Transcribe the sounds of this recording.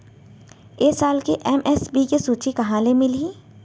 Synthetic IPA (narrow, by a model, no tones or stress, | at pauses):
eːsaːlkeʔɛmʔɛsbikesuːt͡ʃikɐɦãːlemɪlɦĩ